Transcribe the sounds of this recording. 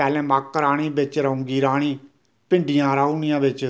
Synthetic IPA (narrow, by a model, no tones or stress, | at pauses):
ɛːlɛ̃ːmaːkːɾaːɽ̃iːbɪt͡ʃɾəɦũːŋɡiːɾaːɽ̃iː | pɪ̃ɳɖijãːɾaːuːnijãːbɪt͡ʃ